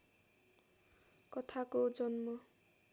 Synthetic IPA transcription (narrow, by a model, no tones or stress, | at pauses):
kʌt̪ʰakod͡zʌnmʌ